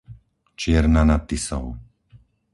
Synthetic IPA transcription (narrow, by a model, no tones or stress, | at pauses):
t͡ʃɪɛɾnanat̪ːisɔ̰ʊ